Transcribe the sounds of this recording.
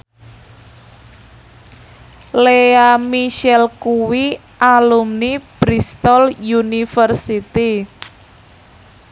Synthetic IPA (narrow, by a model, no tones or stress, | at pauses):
leamiʃɛlkuwi | ʔalumnib̥ɾist̪ɔljunifərsit̪i